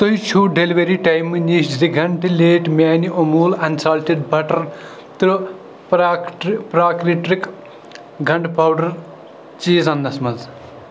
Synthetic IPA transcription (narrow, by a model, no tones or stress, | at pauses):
t̪ojt͡ʃʰuːɖeliʋeɾiʈɐjmːɨnʲisd͡ʒd̪iɡɐɳʈileːʈmʲaːniʔomuːlɐnsaːlʈiɖbɐʈɐɾ | t̪ɾ | pɾʈpɾaːkɾiʈɾik | ɡʱɐɳɖpaːwɖɐɾ | t͡ʃiːzɐnːɐsmɐnz